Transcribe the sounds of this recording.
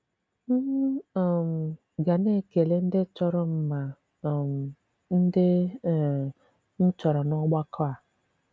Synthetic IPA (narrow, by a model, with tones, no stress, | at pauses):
m̩˦˨m˨ | ɡa˨ne˦˨ke˨le˦n̩˦dɪ˦t͡ʃɔ˦ɾɔ˦m̩˦ma˨ | m˨ | n̩˦dɪ˦˨ | n̩˦t͡ʃɔ˨ɾɔ˨nɔ˦ɡ͡ba˦kʰɔ˦a˨